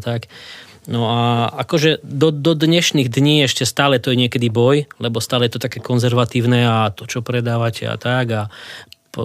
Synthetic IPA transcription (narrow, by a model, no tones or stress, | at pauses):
t̪ak | nɔaakɔʒɛd̪ɔd̪ɔd̪ɲɛʃniɣd̪ɲiːɛʃcɛst̪aːlɛt̪ɔjɛɲɪɛkɛd̪ibɔjlɛbɔst̪aːlɛjɛt̪ɔt̪akɛːkɔnzɛɾʋat̪iːʊnɛat̪ɔt͡ʃɔpɾɛd̪aːʋacɛ̰a̰t̪aɡapɔ